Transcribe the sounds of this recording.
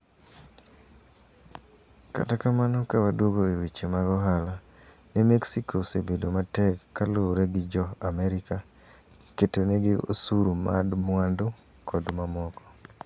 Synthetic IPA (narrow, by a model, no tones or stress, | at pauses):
ka̰takamanɔkawadwoɡoewit͡ʃemaɡɔɦala | nɛmeksikʰosebedomatɛkːaloɾeɡɪd͡ʒɔamɛɾika | ketoneɡɪo̰suɾuma̰dmwandʊ | kʰɔdmamɔkɔ̥